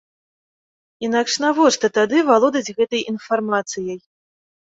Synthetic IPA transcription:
inakʂnavɔʂt̪ɐt̪ad̪ɨvalˠɔd̪ɐd͡zʲɣɛt̪ɐjʔinfarmat̪sɨjɐj

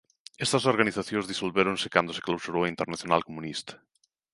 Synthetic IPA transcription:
ɛst̪ɐsoɾɣaniθaθjõŋzðisolβeɾonsɪ̥kand̪ose̥klawsuɾowaint̪eɾnaθjonalkomũnist̪ḁ

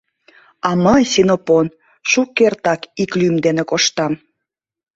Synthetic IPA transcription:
ɑməjsinopon | ʃukːert̪ɑkiklymd̪enekoʃt̪ɑm

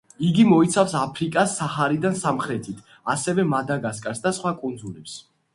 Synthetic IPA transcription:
iɡimɔit̪sʰafsapʰɾikʼasːaχaɾid̪ansamχɾɛt̪ʰit̪ʰ | asɛvɛmad̪aɡaskʼasd̪asχwakʼund̪zulɛps

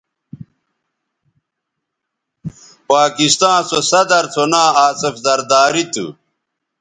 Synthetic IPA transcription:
paːkist̪ãːsosɐd̪ɐɾt͡s̪ʰonãːaːsefzɐɾd̪aːɾit̪ṵ

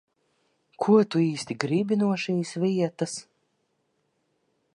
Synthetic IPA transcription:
kʰuɔt̪uiːst̪ʲiɡɾibʲinuɔʃiːsviɛt̪as

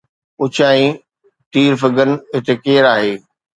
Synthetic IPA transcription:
ʊt͡ɕʰaːĩ | ʈiːɾfɪkənɪ̆ɦɪt̪ʰekeːɾaːɦeː

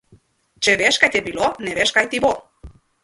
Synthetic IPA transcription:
t͡ʃeβeʃkajt̪epiloneβeʃkajt̪iβo

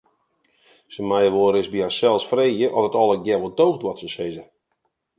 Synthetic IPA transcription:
səmajəʋoːɾɪsbiasɛlˠsfreːjəʔɔtətɔlˠək̚ɡjɛʋodoːɣtʋɔtsəsɪzə

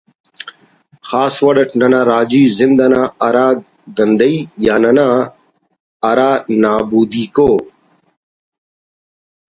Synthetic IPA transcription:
xaːsʋɐɗəʈʰnɐnãːɾaːd͡ʒiːzɪnd̪ɐnaːɐɾaː | ɡɐnd̪ɐiːjaːnɐnãː | ɐɾaːnaːbuːd̪iːkoː

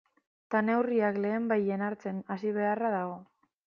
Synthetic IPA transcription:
t̪ane̞wriakle̞ːmbaje̞naɾt͡se̞nasiβ̞e̞araðaɣo̞

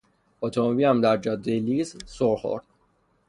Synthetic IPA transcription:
ot̪ʰomobiːæmd̪æɾd͡ʒɒd̪eliːzsoɾxo̰ɾd̪̥

